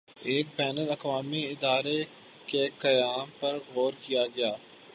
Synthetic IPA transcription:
eːk̚bɛːnəlɐkʋaːmiɪd̪aːɾe | kekɐjaːmpɐɾɣɔːɾkijaɡɐjaː

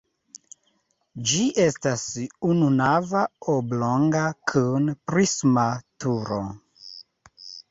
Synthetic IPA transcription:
d͡ʒiʔestasununavaobloŋɡakʰɨnpɾismatuɾo

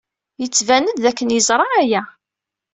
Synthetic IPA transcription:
jət͡sːvænəd̪ðækːənjəzˤɾˤɑæjæ

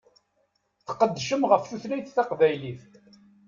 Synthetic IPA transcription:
θə̥qəd̪ːʃəmʁəfθuθlæjθθɑqvæjliθ

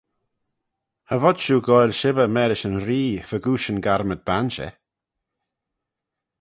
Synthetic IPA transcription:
havɔd̥ʃuːɡɔjlʃɪbəmɛːɾɪʃənɾiːfəɡuːʃənɡaɾməd̪̚banʃɛ̰

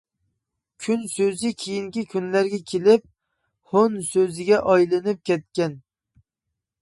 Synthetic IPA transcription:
kʲʰynsøzɪkʲʰejiŋkʲikʲʰynlæɾɡʲɛkʲʰelɪp̚ | honsøzɪɡʲɛʔɑjlˠɨnɪp̚kʲʰɛt̪̚kʲɛn

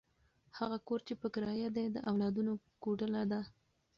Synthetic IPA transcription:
haɣakoɾt͡ʃepəkɾɑjad̪ed̪əʔawlɑd̪uno | koʈəlad̪a

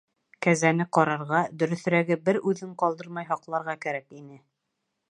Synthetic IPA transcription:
kæzænɘqɒɾɑɾʁɑd̪ɵ̆ɾɵ̆θɾæɡɘbɘɾʉðɘɴqɒlˠd̪ɤɾmɑjɦɑqlˠɑɾʁɑkæɾækinɘ

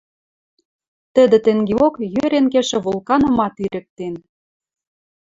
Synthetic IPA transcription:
t̪ə̆d̪ĕt̪ĕŋɡeokjøɾenkeʃĕβulˠkɑnɤ̆mɑt̪iɾʔə̆k̚t̪en

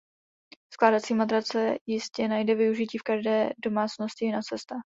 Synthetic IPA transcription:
sklaːdat͡siːmad̪ɾat͡sɛjɪscɛnajdɛvɪuʒɪciːfkaʒdɛːdo̞maːt͡sno̞scɪɪnat͡sɛst̪a

